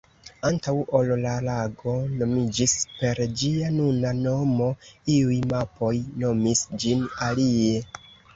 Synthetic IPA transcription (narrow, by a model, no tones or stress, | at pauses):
antawollalaɡo̞no̞mid͡ʒispe̞ɾd͡ʒianunano̞mo̞iujmapo̞jno̞misd͡ʒinalie̞